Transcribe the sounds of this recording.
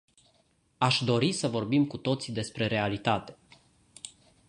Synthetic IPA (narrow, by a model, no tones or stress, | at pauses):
aʃd̪o̞ɾisəvo̞rbimkut̪o̞t̪sid̪e̞spɾe̞ɾe̞alit̪at̪e̞̥